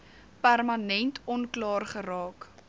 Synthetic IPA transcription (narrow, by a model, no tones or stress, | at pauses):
pærmɐnɛntʰɔnklɑːrχəɾɑːk